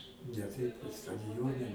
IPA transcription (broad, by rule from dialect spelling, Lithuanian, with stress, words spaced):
nʲɛ ˈtʲɛɪp kɐt stɐdʲɪˈjoːnʲɛ